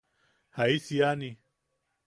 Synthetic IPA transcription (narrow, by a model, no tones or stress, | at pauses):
haisijani